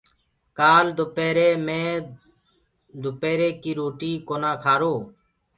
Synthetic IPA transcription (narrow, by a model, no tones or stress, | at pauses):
kaːld̪ʊpeːɾeːmẽː | d̪ʊpeːɾeːkiːɾoːʈiːkoːnãːkʰaːɾoː